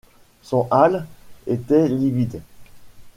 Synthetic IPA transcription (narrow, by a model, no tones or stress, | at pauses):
sɔ̃ʔalet̪ɛlivid̪